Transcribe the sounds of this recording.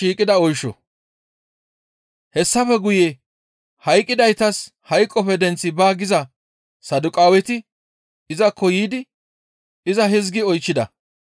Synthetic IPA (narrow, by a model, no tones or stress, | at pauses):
iːkʼɪd̪ɐɔjʃːɔ̰ | hɛsːɐfɛɡʊje | hɐjkʼːɪd̪ɐjt̪ɐs | hɐjkʼːɔpɛd̪ɛnt͡sːɪbaːɡɪzɐ | sɐd̪ʊkʼaːwɛt̪ɪ | ɪzɐkʰːɔjiːd̪ɪ | ɪzɐɦɪzɡɪɔjt͡ʃːɪd̪ɐ̰